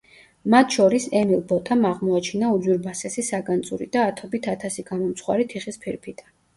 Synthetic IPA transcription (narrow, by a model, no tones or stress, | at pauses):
mat̪ʰʃɔɾisɛmilˠbɔt̪ʰamaʁmɔat͡ʃʰinaud̪zwiɾbasɛsisaɡʼant̪sʼṵɾḭd̪̥aːt̪ʰɔbit̪ʰat̪ʰasiɡamɔmt̪sʰχwa̰ɾit̪ʰiχispʰiɾpʰit̪ʼa